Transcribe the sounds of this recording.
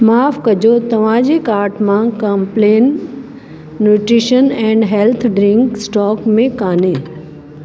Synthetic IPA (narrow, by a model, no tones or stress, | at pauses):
maːfkɐd͡ʑot̪ɐʋ̤ãd͡ʑekaːɾʈmãkɐmpleːn | uːʈɾiʃənɛ̃ːɳɖɦelt̪ʰɖɾɪ̃ŋksʈɔːkmẽkaːne